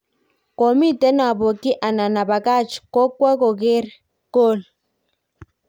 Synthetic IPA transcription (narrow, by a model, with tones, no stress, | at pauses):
ko˨mi˦tɛ˦na˨bo˨ki˦ʔa˨na˨na˨ba˨ka˦˨t͡ʃko˦kwa˦ko˨k̬e˦ɾ | ko˦˨l